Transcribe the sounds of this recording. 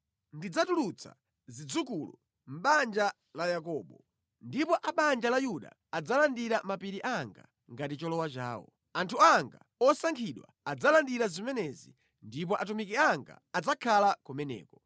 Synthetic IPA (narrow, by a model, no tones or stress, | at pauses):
ndid͡zatulut͡sʰa̰ | zid͡zukulu | m̩ɓand͡ʒa | lajak̬ɔːɓɔ | ndipɔʔaɓand͡ʒalajuɗa̰ːd͡zalandiɾamapiɾiʔaŋɡa̰ | ŋɡatit͡ʃɔlɔwat͡ʃa̰ːwɔ̰ | antʰuaŋɡa | ɔsaŋkʰiɗwa̰ad͡zalandiɾazimɛnɛzḭ | ndip̬ɔʔatumikiaŋɡa̰ːd͡zakʰalakɔmɛnɛ̰ːkɔ